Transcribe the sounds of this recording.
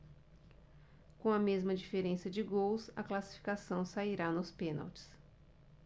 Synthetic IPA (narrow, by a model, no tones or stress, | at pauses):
kõɐmezmɐd͡ʒifeɾẽsɐd͡ʒɪɡowsɐ̰klasi̥fi̥kasɐ̃w̃saiɾanʊspẽna̰wt͡ʃɪ̥s